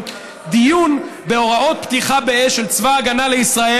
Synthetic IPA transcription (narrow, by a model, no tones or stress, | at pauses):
d̪ijunbe̞o̞ʁao̞t̪̚pt̪iχabeeʃelt͡svaːɡanale̞isʁae